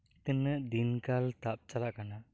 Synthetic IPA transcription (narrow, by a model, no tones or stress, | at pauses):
t̪ənəʔd̪inkalt̪ap̚t͡ʃalaʔkana